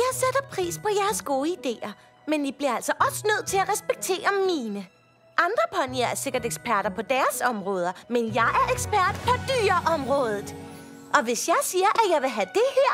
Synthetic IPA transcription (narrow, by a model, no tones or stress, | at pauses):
jɑ̈ɪseɾ̥ɐpʰʁḭːspʰɒ̽jæɐsɡ̥o̝ːəid̥e̝̰ːɐ | menʋib̥liɐæl̰sɒ̽ʔɒ̽sənøð̞̰ˠt͡sʰe̝læʁɛsb̥eɡ̥̚t͡sʰe̝̰ːɐmiːnə | ʔɑ̈nd̥ʁɐpʰɒniɐæɐse̝ɡ̥ɐdeɡ̥sb̥æɐɾ̥ɐpʰɒ̽d̥æɐsɒ̽mʁɔ̽ːð̞ˠɐmenjɑ̈ɪʔæɐeɡ̥sb̥æɐ̰d̥pʰɒ̽d̥yːɐʔɒ̽mʁɔ̽ːð̞ˠð̩ˠ | ʔɒ̽ʋe̝sjɑ̈ɪsiːɐʔæjɑ̈ɪʋe̝ɦæd̥e̝hæɐ̰